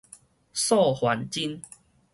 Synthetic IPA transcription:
sɔ˥˨hwa˨˦nt͡ɕi˦n

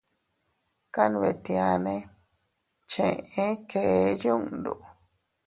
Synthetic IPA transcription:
ka˦nũ˧βe˧˨t̪ĩ˧a˧nẽ˧˦ | t͡ʃẽ˧ẽ˦ke˧˦jũ˦nd̪ṵ˨

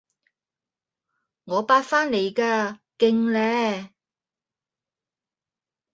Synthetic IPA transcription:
ŋɔː˨˧paː˧tfaː˥nle˨˧jkaː˧kɪ˧ŋlɛː˧˥

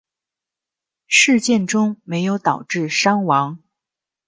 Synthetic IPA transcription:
ʂɻ̩˥˧t͡ɕjɛ˥˩nʈ͡ʂʊ˥ŋme˧˥ɪjo˧˥ʊt̪ɑ˨˩ʊʈ͡ʂɻ̩˥˩ʂɑ˥ŋwɑ˧˥ŋ

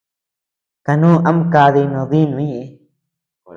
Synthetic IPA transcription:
ka˧nũ˦ʔa˦m˦ka˧ði˧nõ˨˧ði˦nũ˨˦ɲẽ˦˨e˧

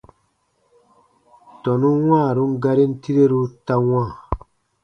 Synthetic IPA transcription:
tɔ˨nu˦wãː˦˨ɾu˦ŋ˦ɡa˦ɾi˦n˦ti˦ɾe˦ɾu˦ta˦wãː˦˨

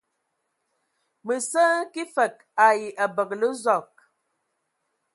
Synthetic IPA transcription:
mə˨sə˦ki˦fə˨k̚ | a˨ji˨ʔa˨bə˨k̚lə˦zɔ˨k̚

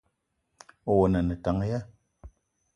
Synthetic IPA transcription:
wo˨na˨nɛ˨ta˨˦ŋ˦ja˦

